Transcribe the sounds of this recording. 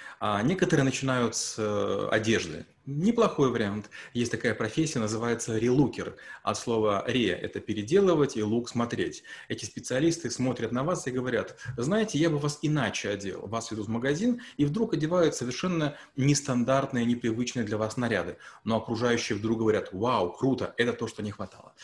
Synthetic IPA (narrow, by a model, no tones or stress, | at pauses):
anʲe̞kət̪əɾɨənət͡ɕɪnajʊt̪səɐ̰dʲe̞ʐd̪ɨ̰ | nʲɪplˠɐxo̞jvəɾʲɪant̪jesʲtʲt̪ɐkajəpɾɐfʲesʲːɪjənəzɨvajɪt̪səɾʲɪlˠukʲɪrɐ̰t̪slˠo̞vəɾʲḛʔɛ̰t̪əpʲɪɾʲɪdʲe̞lˠəvətʲilˠuksmɐt̪ɾʲetʲɛtʲɪspʲɪt̪sɨɐlʲist̪ɨsmo̞t̪ɾʲət̪nɐvasiɡəvɐɾʲat̪znajɪtʲɪjabɨvasɪnat͡ɕɪɐdʲḛlˠvasvʲɪd̪uvməɡɐzʲinivd̪ɾukɐdʲɪvajʊt̪səvʲɪrʂɛnːə | nʲɪst̪ɐnd̪art̪nɨjənʲɪpɾʲɪvɨt͡ɕnɨjəd̪lʲɐvasnɐɾʲa̰d̪ɨno̞ɐkɾʊʐajʉɕːɪjəvd̪ɾuk̚ɡəvɐɾʲat̪wawkɾut̪əʔɛt̪ət̪o̞ʂt̪o̞nʲɪxvɐt̪a̰lˠə̰